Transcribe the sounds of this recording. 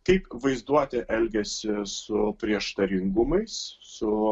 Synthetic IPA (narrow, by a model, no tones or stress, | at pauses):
kɐɪpʋɐɪzd̪uɔt̪ʲɛʔɛlʲɡʲɛsʲɪsʊpʲɾʲiɛʃt̪ɐɾʲɪŋɡʊmɐɪssʊ